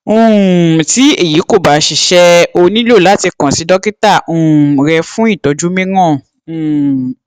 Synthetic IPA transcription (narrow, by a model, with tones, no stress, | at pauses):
ũ˨ti˦e˦˨ji˨˦ko˦˨ba˨˦ʃi˨ʃɛ˧o˧nĩ˦lo˦˨la˨˦ti˧kã˨si˨˦dɔ˦ki˦ta˦˨ũ˨ɾɛ˧fũ˦i˦˨tɔ˨˦d͡ʒu˦mẽ˦ɡɔ̃˦˨˦